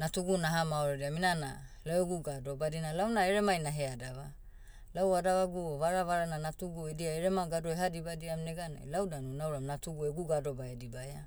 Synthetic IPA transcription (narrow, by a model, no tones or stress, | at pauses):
natuɡunaɦamaoɾediaminana̰laeɡuɡado̞badinalawnaeɾe̞majnaɦeadaβa | lawadaβaɡuβaɾaβaɾananatuɡuediaeɾemaɡadoeɦadibadiamneɡana̰jlawdanunawɾamnatuɡueɡuɡado̞bajadibaja